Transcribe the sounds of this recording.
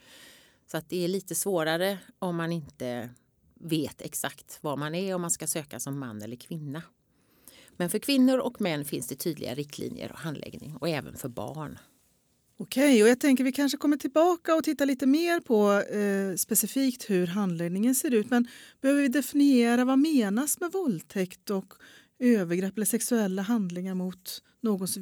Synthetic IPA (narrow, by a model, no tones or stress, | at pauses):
sɔat̪̚d̪ɛæɭiːt̪əsvoːɾaɾəɔmːanɪnt̪ə | veːt̪ʰɛksakt̪vamanæɾɔmːanskasøːkasɔmːa̰nːɛlːəɾkʰvɪnːa | mɛnfœɾkʰvɪnːʊɾɔkmɛnːfɪnsd̪ɛt̪ʰyːd̪lɪ̰ɡa̰ɾɪk̚t̪ʰlḭːnjə̰ɾɔ̰ɦand̪lɛ̰ɡnɪ̰ŋɔɛːvə̰nfœɾbɑ̰ːɳ | ɔkʰɛjɔjaːɡ̚t̪ʰɛŋkəɾvɪkʰanʂəkʰɔmːəʈʰɪlbɑːkaɔt̪ʰɪt̪ːaliːt̪əmeːɾpʰɔ | spɛsɪfiːkt̪hɵɾɦand̪leɡnɪŋənseːɾʉ̟ːt̪mɛnb̥ɛhøːvəɾvɪd̪ɛfɪnɪeːɾavameːnasmɛvɔlt̪ʰɛkt̪ɔk | øːvəɾɡɾɛpːləsɛksɵɛlːaɦand̪lɪŋaɾmʊt̪ | noːɡɔs